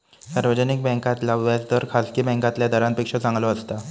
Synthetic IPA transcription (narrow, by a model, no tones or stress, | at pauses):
saɾʋəd͡zənik̚bɛ̃ŋkat̪laʋʋasd̪əɾkʰaskiːbɛ̃ŋkãt̪ljad̪ʱəɾãnt̪pikʂət͡sãŋɡlɔəst̪a